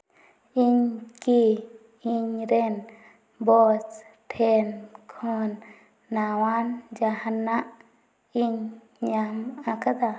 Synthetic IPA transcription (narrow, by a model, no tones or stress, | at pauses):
iɲki | iɲɾen | bostʰenkʰonː | awand͡ʒahanaʔ | iɲː | aŋakad̪a